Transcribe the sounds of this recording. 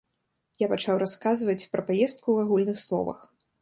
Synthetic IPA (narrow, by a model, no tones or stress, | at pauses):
japat͡ʂawɾaskazvɐt͡sʲpɾɐpajɛst̪̚kuaɣulʲnɨxslˠɔ̰vɐ̰x